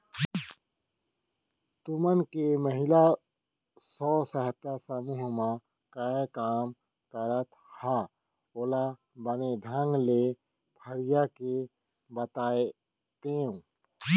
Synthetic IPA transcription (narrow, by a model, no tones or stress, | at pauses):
t̪ʊmənkeməɦɪla | sɔːsəɦət̪ːasəmuːɦmã | kakaːm | kəɾət̪ | ha | ola | bənedʱə̃ŋɡle | pʰəɾɪjake | bət̪aːe | t̪eũ